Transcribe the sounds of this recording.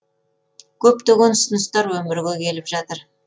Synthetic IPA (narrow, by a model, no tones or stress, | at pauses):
kʲʰɵpt̪eɡʲe̞nʊsənəst̪ɑɾwɵmɪɾɡʲekʲʰe̞lɪpʒɑt̪əɾ